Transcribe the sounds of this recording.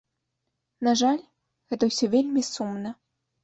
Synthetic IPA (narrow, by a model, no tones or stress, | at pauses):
naʐalʲ | ɣɛt̪ɐwsʲɔvʲelʲmʲisumnɐ